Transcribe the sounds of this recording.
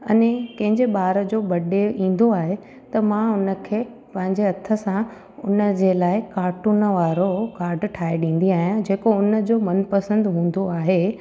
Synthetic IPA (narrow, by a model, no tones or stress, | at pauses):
ɐ̰nekɐ̃ɦɪ̃ɲd͡ʑeɓaːɾəd͡ʑoːbɐɗeʔĩːn̆d̪oaːɦe | t̪ɐmãʊnə̆kʰeː | pɐ̃ɦɪ̃ɲd͡ʑeɐt̪ʰə̆sã | ʊnəd͡ʑeːlaːɪkaːɾʈunəʋaːɾokaːɾɖʈʰaːeɗĩːn̆d̪iaːɦijãd͡ʑeːkoʊnə̆d͡ʑoːmɐnpɐsə̃nd̪ɦũːn̆d̪oaːɦe